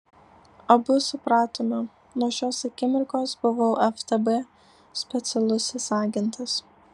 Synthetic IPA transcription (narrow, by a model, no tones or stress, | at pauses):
ɐbʊsʊpɾɑːt̪oːmɐ | noɔʃʲoːsɐkʲɪmʲɪɾʲkoːsbʊʋoːɛft̪ɛbɛ | sʲpʲɛt̪sʲɛlˠʊsʲɪsɑːɡʲɪnt̪ɐs